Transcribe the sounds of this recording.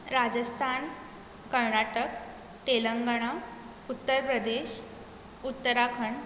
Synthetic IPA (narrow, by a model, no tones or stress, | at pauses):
ɾad͡ʑəst̪ʰan | kəɾɳaʈək | ʈ̪eləŋɡɽ̃a | ut̪ːəɾpɾəd̪eɕ | ut̪ːəɾakʰəɳ